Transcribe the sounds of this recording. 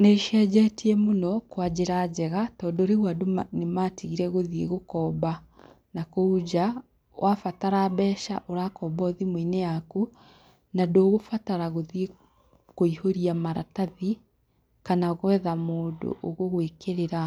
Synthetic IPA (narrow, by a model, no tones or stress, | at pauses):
neʃɛːd͡ʑɛtiɛmonɔkwad͡ʑeɾad͡ʑɛɣatɔːndɔoɾeɣwadomnematiɣiɾɛɣoðieɣokɔːba | nakoud͡ʑa | wʔafataɾabɛːʃaʔoɾakɔːbɔðimwoinejaku | nadoːɣofataɾaɣoðie | koihoɾiamaɾataði | kanaɣwɛðamoːdo̰ʔoɣoɣwekeɾeɾa